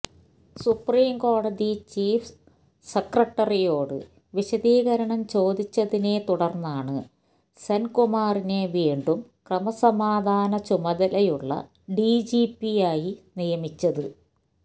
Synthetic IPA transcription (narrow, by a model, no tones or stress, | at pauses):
supriːmko̞ːɽɐðit͡ɕiːf | sɐkrɐʈːɐrijo̞ːɽɨ̰ | ʋiɕɐðiːɣɐɾɐɳɐmt͡ɕo̞ːd̪ʱit͡ɕːɐðine̞t̪uɽɐrnːaːɳɨ | sɐnkumaːrine̞ʋiːɳɖumkrɐmɐsɐmaːd̪ʱaːnɐt͡ɕumɐðɐlɐjuɭːɐ̰ | ɖiːd͡ʑiːpːijaːjinijɐmit͡ɕːɐðɨ